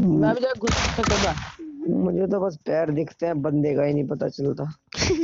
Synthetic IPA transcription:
mɛ̃bid͡ʒ̪aɡʱʊssəkad̪amʊd͡ʒʱet̪̬obɐs̬pɛːɾd̪ɪkʰt̪eɛ̃bənd̪ekaːinəĩpɐt̪a̰t͡ʃəlt̪aː

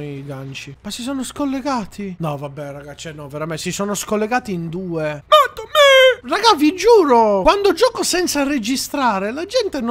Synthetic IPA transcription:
iɡant͡ʃimasis̬ɔːnoskolːeɡaːt̪ʰinɔvabːɛraɡat͡ʃːɛnɔveɾamɛsisɔːnoskolːeɡaːt̪iind̪uːemat̪ːomɛraɡavid͡ʒuːɾokwand̪od͡ʒɔːkosɛnt̪sared͡ʒist̪ɾaːɾelad͡ʒɛnt̪en

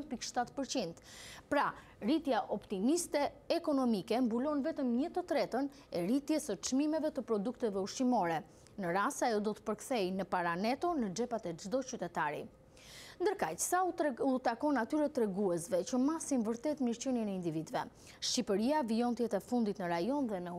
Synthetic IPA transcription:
pikʃt̪at̪pəɾt͡ɕind̪pɾa | ɾit̪jaʔɔpt̪imist̪ɛːkɔnɔmikɛmbulɔnvɛt̪əmɲət̪ət̪ɾɛt̪ən | ɛɾit̪jɛsət͡ʃmimɛvɛt̪əpɾɔd̪ukt̪ɛvɛuʃimɔɾɛ | nəɾast̪ajɔd̪ɔt̪ə̥pəɾkθɛjnəpaɾanɛt̪ɔnəd͡ʒɛpat̪ɛd͡ʒd̪ɔt͡ɕyt̪ɛt̪aɾḭ | nd̪əɾkacə̥saut̪akɔnːat̪yɾɛt̪ːɾɛɡuɛsvɛt͡ɕəmasinvəɾt̪ɛt̪miɾt͡ɕənjənɛind̪ivid̪vɛ | ʃcipəɾiaviɔnt̪jɛt̪ɛfund̪it̪nəɾajɔnðɛnə

